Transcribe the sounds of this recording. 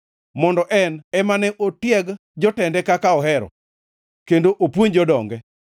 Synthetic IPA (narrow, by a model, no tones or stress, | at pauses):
mɔndɔʔɛnɛmanɛʔotjɛɡ | d͡ʒɔtɛndɛkakaɔɦɛɾɔ̰ | kendoʔopwoɲd͡ʒɔdɔŋɡɛ